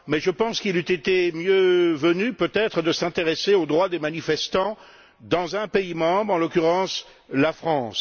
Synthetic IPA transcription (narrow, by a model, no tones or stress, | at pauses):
mɛʒəpɑ̃skilyt̪et̪emjøvənypøt̪ɛt̪χəd̪əsɛ̃t̪eʁeseod̪ʁwad̪emanifɛst̪ɑ̃ | d̪ɑ̃zɛ̃peimɑ̃bʁɑ̃lɔkʲyʁɑ̃s | lafχɑ̃ːs